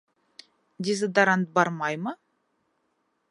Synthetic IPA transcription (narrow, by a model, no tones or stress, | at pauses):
d̪ʲezəd̪ɑɾant̪̚bɑɾmɑjmə